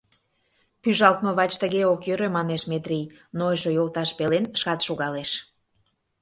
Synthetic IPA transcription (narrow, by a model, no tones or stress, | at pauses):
pyʒɑlˠt̪moβɑt͡ɕt̪əɣeokjøɾømɑneʃmet̪rʲij | noʒøjolt̪ɑʃpelenʃkɑt̪ʃoɣɑleʃ